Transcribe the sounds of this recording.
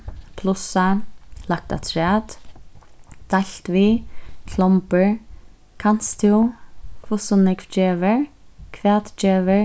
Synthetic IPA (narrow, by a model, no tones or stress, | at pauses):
pʰlʊsalak̚t̪a̰t̪ʰɾɛːt̪ | d̪̥ajlt̪vikʰlɔmpəɹ | kʰan̥st̪ʰiwkʰvʊsʊnɪkfd͡ʒɛːvɪɹkʰvɛːt̪d͡ʒɛːvəɹ